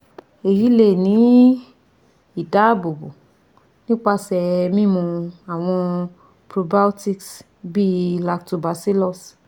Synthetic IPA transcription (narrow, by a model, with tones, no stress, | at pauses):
e˨ji˨˦le˦˨nĩ˨˦ | i˦˨da˨˦˨bo˨bo˨ | nĩ˦k͡pa˧sɛ˨mĩ˦mũ˧a˨w̃ɔ̃˧ | pɾo˧ba˦u˦ti˧ks | bi˦la˧ktu˧ba˨˦si˦lɔ˦˨s